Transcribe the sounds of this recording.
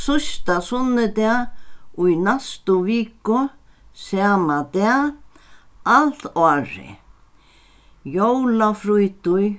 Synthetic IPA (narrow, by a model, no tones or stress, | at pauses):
sʊst̪asʊnːɪd̪ɛaujnast̪ʊviːkʊ | saːmad̪ɛ | alt̪ɔaɾɪ̰ | jowlafɾujt̪ʊj